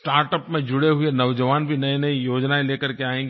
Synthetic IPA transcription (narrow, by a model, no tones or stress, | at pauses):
ʈaːɾʈəpmẽd͡ʒʊɽeɦʊenɐʋd͡ʒəʋaːnbʱinɐenɐijoːd͡ʒnaeleːkəɾkeaːẽːŋɡ